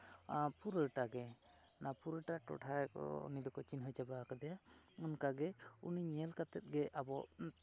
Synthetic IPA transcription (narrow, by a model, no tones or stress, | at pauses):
puɾəʈaɡɛ | napuɾəʈaʈɔ̰ʈʰaɛkɔ̰ṵnid̪ɔkɔt͡ʃinɦɔjt͡ʃabakad̪ɛja | ɔnkaɡɛuniɲɛlkat̪ɛt̪̚ɡɛʔabɔ